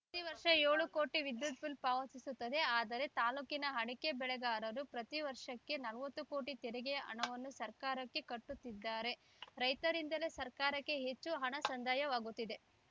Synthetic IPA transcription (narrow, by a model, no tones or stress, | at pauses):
pɾɐt̪iʋɐɾʂɐeːɭuko̞ːʈiʋid̪jut̪̚pulpaːʋɐsisut̪ːɐd̪e̞aːd̪ɐɾe̞t̪aːluːkinɐɦɐɽike̞bɛɭɛɡaːɾɐɾupɾɐt̪iʋɐɾʂɐkːe̞nɐlɐʋɐt̪ːuko̞ːʈit̪ɛɾɛɡeɐʔɐ̰ɳɐʋɐnːusɐɾkaːɾɐkːe̞kɐʈːut̪ːid̪ːaːɾe̞ | ɾɐjt̪ɐɾind̪ɐle̞sɐɾkaːɾɐkːe̞ɦe̞t͡ʃːuɦɐɳɐsɐnd̪ʱaːjɐʋaːɡut̪ːid̪e̞